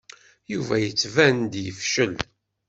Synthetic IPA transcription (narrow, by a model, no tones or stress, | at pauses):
juvæjət͡sːvænd̪jəfʃəl